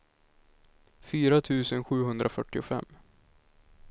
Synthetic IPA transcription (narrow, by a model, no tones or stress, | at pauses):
fyːɾat̪ʰʉ̟ːsənɧʉ̟ːɦɵnd̪ɾʔafœʈːɪʊfɛ̰mː